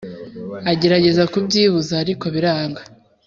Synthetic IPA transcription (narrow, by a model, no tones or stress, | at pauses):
aɟe̞ɾaɟe̞zakubɟiːβuzaːɾiko̞βiɾaːŋɡa